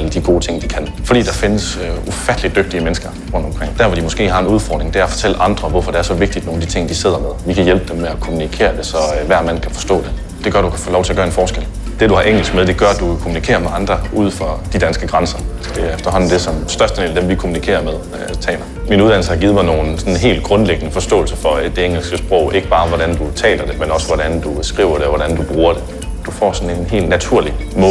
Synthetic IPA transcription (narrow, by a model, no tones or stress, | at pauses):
ld̥iɡ̥o̝ːt͡sʰe̝ŋ̰d̥ikʰæn | fɒ̽d̥ḭːd̥ɑ̈fe̝nəsufæd̥əlid̥øɡ̥̚d̥iəmenəsɡ̥ɐ | ʁɔ̽n̰d̥ɒ̽mkʰʁeŋ̰d̥æɐʋɒ̽d̥imɔ̽sɡ̥e̝̰ːhɑ̈e̝nuð̞ˠfɒ̰d̥ʁeŋd̥e̝æɐfɒ̽t͡sʰel̰əʔɑ̈nd̥ʁɐʋɒfɒ̽d̥e̝æɐsɒ̽ʋe̝ɡ̥̚d̥id̥no̝ːn̩d̥i̥t͡sʰe̝ŋ̰d̥ise̝ð̞̰ˠɐmeðˠʋikʰæjelb̥əd̥emːeækʰo̝munikʰe̝̰ːɐd̥e̝sɒ̽ʋæɐ̰mæn̰kʰæfɒ̽sd̥ɔ̰̽ːd̥e̝ | d̥eɡ̥ɶɐɾ̥ukʰæfɔ̰ːlɒʊt͡sʰe̝ɐɡ̥ɶɐenfɒːsɡ̥el̰ | d̥e̝d̥uhɑ̈ʔeŋ̰ɡl̩sɡ̥meðˠd̥e̝ɡ̥ɶɐd̥ukʰo̝munikʰe̝̰ːɐmeɑ̈nd̥ʁɐʔuð̞̰ˠfɒ̽d̥id̥ænsɡ̥əɡ̥ʁɑnsɐsd̥e̝æefd̥ɐɦɒ̽n̰n̩d̥e̝sɒ̽msd̥ɶɐsd̥əde̝̰ːldemʋikʰomunikʰe̝̰ːɐmeðˠ | t͡sʰɛ̰ːlɐminuðˠdænl̩səhɑ̈ɡ̥iːð̞̩ˠmɑ̈ɪno̝ːn̩sɒ̽nnɦe̝̰ːld̥̚ɡ̥ʁɔ̽nleɡ̥ənəfɒ̽sd̥ɔ̰ːl̩sɐfɒ̽d̥e̝eŋl̩sɡ̥əsb̥ʁɔʊ̰ʔe̝ɡ̥əb̥ɑ̈ːʋɒɾænd̥ut͡sʰɛ̰ːlɐd̥e̝menɒ̽səʋɒɾænd̥usɡ̥ʁiʊ̰ɐɾe̝ɒʋɒɾænd̥ub̥ʁuːɐd̥e̝ | d̥ufɒ̰ːsɒ̽ne̝nɦe̝̰ːldnæt͡sʰuɐ̰limɔ̽ː